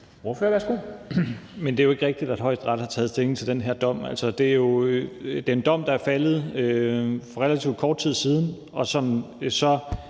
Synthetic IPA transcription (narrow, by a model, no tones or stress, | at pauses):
oføɐʋæɐsɡ̥o̝̰ | mend̥e̝joe̝ɡ̥ʁeɡ̥d̥id̥æd̥hɒ̽ɪ̰sd̥ʁɑ̈d̥hɑ̈t͡sʰɛːð̞̩ˠsd̥e̝leŋ̩t͡sʰe̝ld̥enɦeɐd̥ɒ̽m̰æl̰sɒd̥e̝æjo̝d̥e̝ɐe̝nd̥ɒ̽m̰d̥ɑ̈æɐfæləð̞̩ˠøfɒʁelæt͡sʰiʊ̰d̥̚kʰɒːd̥̚t͡sʰið̰ˠsiːð̞ˠn̩ | ɒ̽sɒ̽msɒ̽